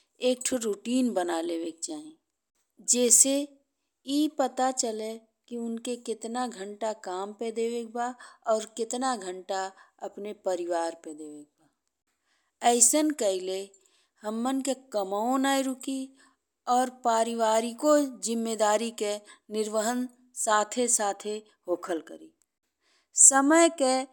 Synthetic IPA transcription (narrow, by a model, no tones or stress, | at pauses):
eːk̚ʈʰɾuʈiːnbənaleʋeːk̚t͡ʃaːẽː | d͡ʒɛːse | jiːpət̪at͡ʃəle | kiʊnkekɪt̪naɡʱə̃ɳʈakaːmped̪eːʋeːk̚baːɔːɾkɪt̪naɡʱə̃ɳʈaɐpnepəɾɪʋaːɾped̪eːʋeːk̚baː | ɛːɪsənkəɪle | həmːənkekəmaõnaːiɾʊki | ɔːɾpaːɾɪʋaːɾikod͡ʒɪmːed̪aːɾikenɪɾʋəɦən | saːt̪ʰesaːt̪ʰe | ɦoːkʰəlkə̰ɾiː | səməjke